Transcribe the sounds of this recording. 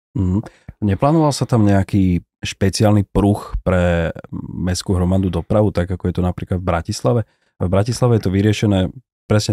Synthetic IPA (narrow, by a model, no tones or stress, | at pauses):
m̩ɦ̩ɲɛplaːnɔʋalsat̪amɲɛakiː | ʃpɛt͡sɪaːlnipɾuxpɾɛ | mɛskuːɦɾɔmad̪ud̪ɔpɾaʋut̪aɡakɔjɛt̪ɔnapɾiːklad̪vbɾacislaʋɛ | vbɾacislaʋɛjɛt̪ɔʋiɾɪɛʃɛnɛː | pɾɛsɲɛ